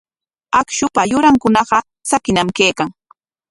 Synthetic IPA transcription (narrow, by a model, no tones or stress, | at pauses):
akʃʊpajʊɾaŋkʊnɑɢɑ | t͡sakɪnamkeːkaŋ